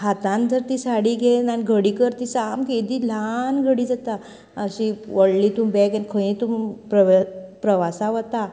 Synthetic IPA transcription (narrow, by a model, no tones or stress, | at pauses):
hat̪ãnd͡zəɾt̪isaɽiːɡenaniɡʱəɽiːkəɾt̪isamked̪iːlanɡʱəɽiːd͡zat̪a | əɕiʋəɽliːt̪umbɛkankʰəjĩt̪umpɾəʋpɾəʋasaʋət̪a